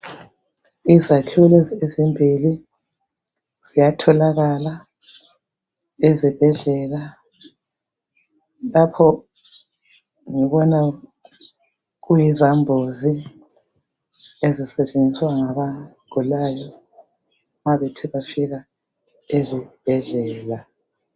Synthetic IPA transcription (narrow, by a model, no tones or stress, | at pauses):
izakʰulɛzezimbʱili | z̥ijatʰɔlaɣala | ezib̥ʱɛɮɛla | lapʰɔ | ŋiβɔna | ɣujizambʱozi | ezisɛt͡ʃʼend͡zʱiswaŋaβaɡ̥ʱulajɔ | maβɛtʰɛβafiɣa | ezib̥ʱɛɮɛːla